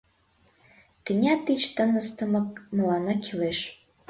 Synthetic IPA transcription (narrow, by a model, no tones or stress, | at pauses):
kənʲɑt̪it͡ɕt̪ənəst̪əmɤ̆k̚mlɑnɑkʰileʃ